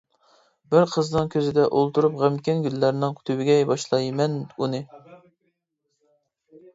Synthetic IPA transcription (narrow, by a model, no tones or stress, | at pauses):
bɪɾqʰəznɨŋkʲʰøzɪd̪ɛʔolˠt̪uɾupʁæmkʲɛnɡʲylːæɾnɪŋt̪ʰywɪɡʲɛjbɑʃlˠɑjmɛnunɨ